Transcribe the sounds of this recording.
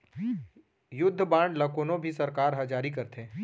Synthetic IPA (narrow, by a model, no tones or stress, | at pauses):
jʊd̪ʱːbãːɳɖlɐkoːnõbʱisɐɾkaːɾɦɐd͡ʒaːɾikɐɾt̪ʰẽː